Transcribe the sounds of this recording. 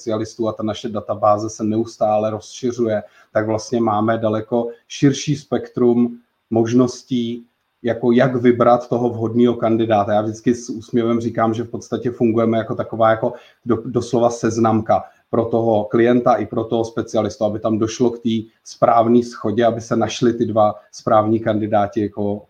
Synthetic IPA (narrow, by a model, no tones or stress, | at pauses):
t͡sɪalɪst̪uːat̪anaʃɛdat̪abaːzɛsɛnɛust̪aːlɛɾo̞sʃɪr̝ujɛ | t̪aɡvlast̪ɲɛmaːmɛdalɛko̞ʃɪɾʃiːspɛkt̪ɾumː | o̞ʒno̞sciː | jako̞jaɡvɪbɾat̪ːo̞ɦo̞vɦo̞dniːɦo̞kandɪdaːt̪ajaːvʒdɪt͡skɪsuːsmɲɛvɛmriːkaːmʒɛfpo̞t̪st̪acɛfuŋɡujɛmɛjako̞t̪akovaːjako̞ | dodo̞slo̞vasɛznamka | pɾo̞t̪o̞ɦo̞klɪjɛnt̪aʔɪpɾo̞t̪o̞ɦospɛt͡sɪalɪst̪uabɪt̪amdo̞ʃlo̞kt̪iː | spɾaːvniːsxo̞ɟɛabɪsɛnaʃlɪt̪ɪdvaspɾaːvɲiːkandɪdaːcɪjako